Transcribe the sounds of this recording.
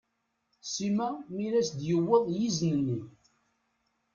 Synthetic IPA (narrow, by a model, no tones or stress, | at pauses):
simæmilæsd̪jəwːəðˤjiznənːi